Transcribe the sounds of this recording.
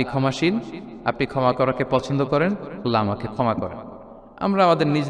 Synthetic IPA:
ikʰɔmaʃina̰pnikʰɔmakɔɾakepɔt͡ɕʰond̪okɔɾenlamakekʰɔmakɔ̰ɾḛn | a̰mɾaamad̪eɾnid͡ʑ

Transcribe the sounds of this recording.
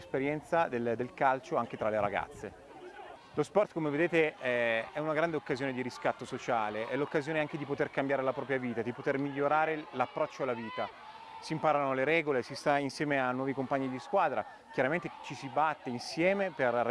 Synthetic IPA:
speɾjɛnt̪sad̪ed̪elkalt͡ʃoaŋk̟et̪ɾaleɾa̰ɡa̰t̪sːe | lospɔrt̪komeved̪eːt̪eɛɛunaɡɾand̪eokːazjoːned̪iɾiskat̪ːosot͡ʃaːleʔɛlːokːazjoːneaŋked̪ipot̪erkambjaːɾelapɾɔːp̬ɾjaviːt̪ad̪ipot̪ermiʎːoɾaːɾelapːɾɔt͡ʃːoalaviːt̪a | simpaːɾanoleɾɛːɡolesist̪ainsjɛːmeanːwɔːvikompaɲːid̪iskwaːd̪ɾa | k̟jaɾament̪et͡ʃisibat̪ːeinsjɛːmeper

